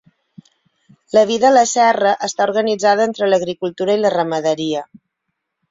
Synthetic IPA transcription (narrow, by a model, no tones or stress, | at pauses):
ləβ̞iðələsɛrəʔəst̪auɾɣənid͡zað̞əent̪ɾələɣɾikulˠt̪uɾəilərəməðəɾiə